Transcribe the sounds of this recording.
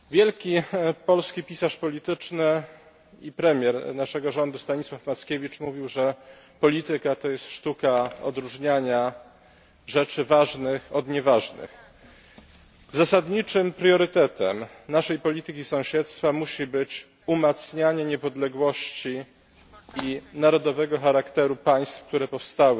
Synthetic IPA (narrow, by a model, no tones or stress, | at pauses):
vʲjɛlkʲipɔlskʲipʲisaʂpɔlʲit̪ɘt͡ʂnɘ | ipɾɛmʲjɛɾnaʂɛɡɔʐɔnd̪ust̪aɲiswafmat̪skʲevʲit͡ʂmuvʲiwʐɛ | pɔlʲit̪ɘkat̪ɔjɛst̪ʂt̪ukaɔ̰d̪ɾuʐɲaɲa | ʐɛt͡ʂɘvaʐnɘxɔd̪ɲɛvaʐnɘ̰x | zasad̪ɲit͡ʂɘmpɾjɔɾɘt̪ɛt̪ɛ̰mnaʂɛjpɔlʲit̪ɘkʲisɔ̃w̃ɕɛt̪st̪famuɕibɘt͡ɕ | umat̪sɲaɲɛɲɛpɔd̪lɛɡwɔɕt͡ɕiː | naɾɔd̪ɔvɛɡɔxaɾakt̪ɛɾupaj̃st̪fkt̪uɾɛpɔfst̪awɘ